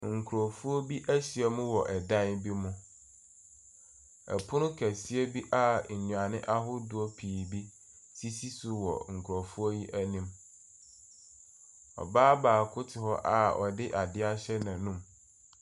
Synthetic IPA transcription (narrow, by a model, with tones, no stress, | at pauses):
ŋ̩˨kʰu˨ɔ˨fu˦ɔ˦bi˦ʔæ˦ɕɪ˨ɛ˦mʊ̃˦wɔ˨ʔɛ˨dã˦nbi˦mʊ̃˦ | ɛ̰˨pʰʊ˦nʊ̃˦kʰæ˨si˦ɛ˦bi˦ʔa˦ɲ̩˨ɲũ˨a˨nɪ̃˦ʔa˦ɦʊ˦dʊ˨ɔ˦pʰiː˨bi˦ | si˦si˦sʊ˨wɔ̰˨ŋ̩˨kʰu˨ɾɔ˨fu˦ɔ˦ji˦ʔæ˦nĩ˦m | ɔ̰˨baː˦baː˨kʰʊ˦tʰɪ˨hɔ˦ʔa˨ɔ˨dɪ˦ʔa˨dɪ˦a˦ɕɛ˦nã˨nũ˦m